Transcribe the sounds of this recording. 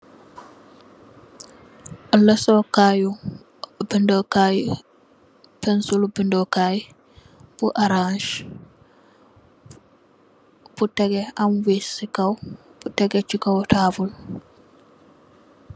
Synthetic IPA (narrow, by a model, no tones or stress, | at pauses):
lɛsɔkaju | bindɔkaji | pɛnsulbindɔkaji | b̥uʔaɾaʃ | butɛɡɛanwisikawb̥utɛɡɛt͡ʃikawtʰaːvul